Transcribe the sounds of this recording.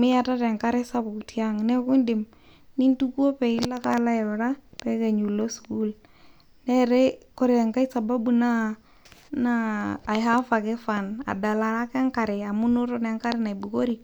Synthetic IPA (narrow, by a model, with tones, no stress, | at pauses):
mɪ˦ja˨ta˦tɛ˨ŋka˦ɾɪ˦sa˦bʊ˨kti˦a˦ŋnɛ˦ku˦ndɪ˨m | ni˦ntu˦ku˦o˦pɛ˨i˦la˦ka˦la˦ɪ˨ɾʊ˨ɾa˦pɛ˦ke˨ɲu˨lo˦su̥˨ku˦l | nɛ˦ɾɛ˦kɔ˦ɾɛ˨ŋka˦i˦sa˨ba˦bu˨na˦ | naː˦˨jɦa˦fa˨kɪ˦fa˨na̰˨da˨la˨ɾa˦kɛ˦ŋka˨ɾɪ˨a˨mu˦nʊ˦tɔ˦nɛ˦ŋka˦ɾɪ˦na˨jbu˨ko˦ɾi